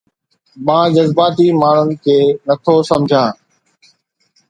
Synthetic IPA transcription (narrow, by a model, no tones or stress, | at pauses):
mãːd͡ʑəzbaːt̪iːmaːɳ̤ʊnɪ̆kʰeːnɐt̪ʰosɐmd͡ʑʱãː